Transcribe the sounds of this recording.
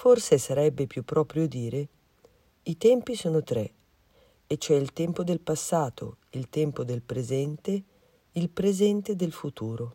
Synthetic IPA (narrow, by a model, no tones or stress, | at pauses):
forsesaɾɛbːepjupːɾɔːpɾjod̪iːɾe | it̪ɛmpisoːnot̪ɾe | et͡ʃːoɛilt̪ɛmpod̪elpasːaːt̪ʰo̰ilt̪ɛmpod̪elpɾezɛnt̪e | ilpɾezɛnt̪ed̪elfut̪uːɾo